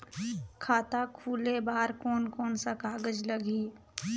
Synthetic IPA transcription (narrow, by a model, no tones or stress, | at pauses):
kʰaːt̪akʰuːlebaːɾkɔːnkɔːnsakaːɡəd͡ʒləɡiː